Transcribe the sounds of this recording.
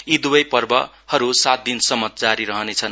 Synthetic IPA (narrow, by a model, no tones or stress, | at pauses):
id̪uwʌjpʌrbʌ | hʌɾusat̪̚d̪insʌmːʌt̪̚d͡zaɾiɾʌɦʌnet͡sʰʌn